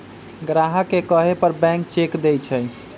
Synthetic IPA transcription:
ɡɾaɦəkekəɦepəɾbɛ̃ŋk̚t͡ʃekd̪ejt͡ʃʰɛj

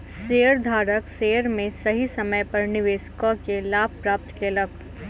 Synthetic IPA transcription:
seːəɾd̪ʱaːɾəkseːəɾmẽsɐɦisɐməjpɐɾnɪʋeːskokelaːb̚ʱpɾaːp̚t̪kelɐɡ̚

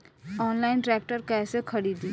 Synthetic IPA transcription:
ɔːnlaːɪnʈɾɛːk̚ʈəɾkɛːsekʰəɽiːd̪i

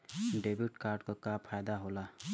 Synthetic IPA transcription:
ɖeːbjuʈkaːɾɖkokaːpʰaːjd̪aɦoːlaː

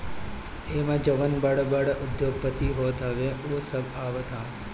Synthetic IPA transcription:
emãd͡ʒəʋənbaɽəbaɽəʔʊd̪joɡ̚pət̪iɦot̪aʋeusəbaʋət̪ʰa

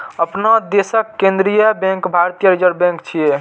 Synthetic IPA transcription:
əpnad̪esəkːẽnd̪ɾijəbɛ̃ŋkbʱaɾt̪ijəɾid͡ʒəɾbɛ̃ŋkt͡ʃʰie

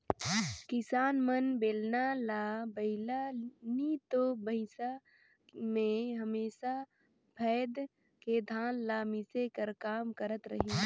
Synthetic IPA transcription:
kɪsaːnmənbeːlnalaːbəɦɪlanit̪obəɪsa | mẽɦəmeːsa | pʰɛːd̪ | ked̪ʱaːnlaːmɪsekəɾkaːmkəɾət̪ɾə̰ɦi

